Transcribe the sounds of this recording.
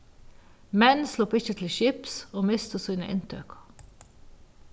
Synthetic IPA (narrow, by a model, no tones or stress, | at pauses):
mɛnslʊpɪçət̪ʰl̩ʃɪpsoːmɪst̪əsiːnə̰ʔɪnt̪ʰø̰ːkʰɑ̥